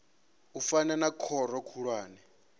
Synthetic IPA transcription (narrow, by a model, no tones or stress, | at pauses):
ufananakʰɔɾɔkʰuɺwaːnɛ